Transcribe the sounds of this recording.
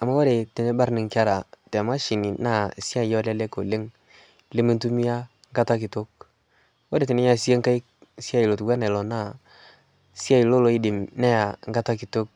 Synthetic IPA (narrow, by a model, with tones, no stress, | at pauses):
a˨ma˦wo˦ɾe˨te˨ne˦ba˦ɾnɪ˨ŋka˦ɾa˨tɛ˨ma˦ʃi˨ni˨na˦˨si˦a˦jɔ˦lɛ˦lɛ˦ko˨le˦ŋ˦ | le˦mi˦n˦tu˦mi˦a˦ | ŋɡa˦ta˦kɪ˨to˦k̚ | wɔ˦ɾe˨tɪ˨nɪ˦ɲa˨si˦e˦ŋka˦i˦k̚ | si˦a˦i˨lo˨tu˨ɡʷwa˦nɛ˨lɔ˨na˦˨ | si˦a˦i˨lo˦lo˨˦i˦dɪ˨mnɛ˦ja˨ŋɡa˦ta˦ki˨to˦k̚